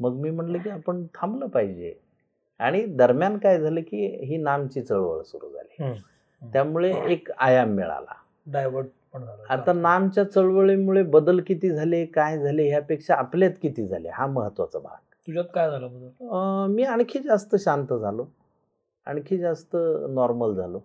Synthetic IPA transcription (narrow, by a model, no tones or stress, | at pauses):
məɡmiːm̤əɳləkiːapəɳt̪ʰambləpaɦid͡ʑḛ | a̰ɽ̃id̪əɾmjankajd͡zʱalekiːɦiːnamt͡ɕiːt͡səɭʋə̰ɭsuɾṵːd͡zʱa̰li | jamuɭeʔekajamːḭɭa̰la̰ | ɖajʋəɖ | pəɳd͡zʱalaaanamt͡ɕjat͡səɭʋəɭimuɭebəd̪əlkit̪iːd͡zʱalekajd͡zʱaleɦjapekʂaːpljat̪kit̪iːd͡zʱalḛhaməɦət̪ːʋa̰t͡səbʱa̰ɡ̚t̪ud͡ʑat̪kajd͡zʱaləbəd̪ulmiːaɳkʰiːd͡zast̪əɕant̪əd͡zʱalo | aɳ̃kʰid͡zast̪ənɔɾməld͡zʱalo